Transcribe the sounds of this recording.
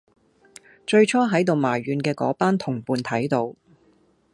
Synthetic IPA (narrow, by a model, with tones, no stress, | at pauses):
t͡ʃɵ˧ɥt͡ʃʰɔː˥ɦɐ˨˥jt̪o˨˧wmaː˨˩jɥyː˨˧nkɛː˧kɔ̰ː˨˥paː˥nt̪ʰʊ˨˩ŋpuː˨˧nt̪ʰɐ˨˥jt̪o˨˧w